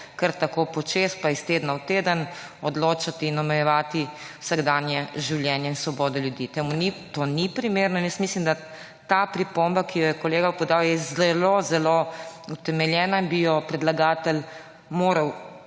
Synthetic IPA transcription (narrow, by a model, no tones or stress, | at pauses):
kəɾt̪akopɔt͡ʃespaist̪ed̪nawt̪eːd̪ən | ɔd̪loːt͡ʃat̪iːnɔmɛjɛʋaːt̪iwsaɡd̪aːnjɛʒiwljɛːnjɛinsʋɔbɔːd̪ɔljud̪it̪ɛmunit̪onipɾimeːɾnɔinjəst̪mislimd̪a | t̪apɾipombakijɔjɛkɔleːɡapɔd̪aːwjɛzɛlozɛlout̪ɛmɛljɛːnabijɔpɾɛd̪laɡaːt̪əl | moːɾɐw